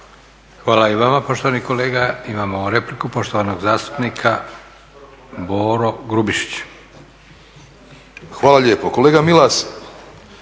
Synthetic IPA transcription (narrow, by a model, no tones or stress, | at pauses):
xʋaːlaiʋamapo̞ʃt̪oaniko̞leːɡaimaːmoɾe̞plikupo̞ʃt̪oʋanoɡzaːst̪u̥pnikʰa | boːɾo̞ɡɾubiʃi̥t͡ɕ | xʋaːlˠaʎeːpokoleːɡamilas